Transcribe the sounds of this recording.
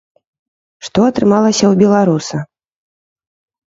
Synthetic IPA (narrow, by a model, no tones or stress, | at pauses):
ʂt̪ɔɐt̪ɾɨmalˠɐsʲɐwbʲɛlˠaɾusɐ